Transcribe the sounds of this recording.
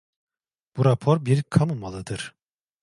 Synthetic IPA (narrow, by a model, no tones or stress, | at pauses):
b̥uɾapʰoɾbiɾkʰamɯmalˠɯd̪ɯɾ̥